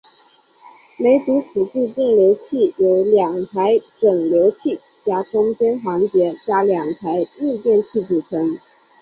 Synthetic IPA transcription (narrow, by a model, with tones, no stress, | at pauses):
me˧˥ɪt͡su˧˥t̪ʰu˨˩t͡ɕu˥˧t̪jɛ˥˩nljo˧˥ʊt͡ɕʰi˥˩jo˧˥ʊljɑ˨˩ŋt̪ʰa˧˥ɪʈ͡ʂɤ˨˩ŋljo˧˥ʊt͡ɕʰi˥˩ | t͡ɕja˥ʈ͡ʂʊ˥ŋt͡ɕjɛ˥nxɑ˧˥ŋt͡ɕjɛ˧˥t͡ɕja˥ljɑ˨˩ŋt̪ʰa˧˥ɪli˥˧t̪jɛ˥˧nt͡ɕʰi˥˩t͡su˨˩ʈ͡ʂʰɤ˧˥ŋ